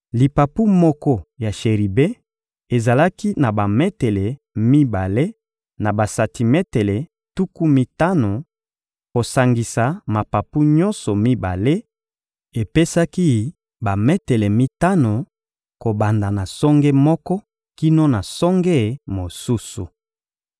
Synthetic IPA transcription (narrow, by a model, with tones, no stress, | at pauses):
li˨pa˨pu˦mɔ˦kɔ˦ja˨ʃe˨ʁi˨be˦ | e˨za˨la˦ki˦na˨ba˨mɛ˦tɛ˨le˨ | mi˦ba˨le˦ | na˨ba˨sa˨ti˨mɛ˦te˨le˨ | tu˦ku˦mi˦ta˦no˨ | ko˨sa˨ŋɡi˨sa˨ma˨pa˨pu˦ɲɔ̃˦nsɔ˨mi˦ba̰˨le˦ | e˨pe˦sa˦ki˦ | ba˨me˦te˨le˨mi˦ta˦no˨ | ko˨ba˨nda˨na˨sɔ˦ŋɡɛ˦mɔ˦kɔ˦ | ki˦no˦na˨sɔ˦ŋɡɛ˦˨mo˨su˦su˨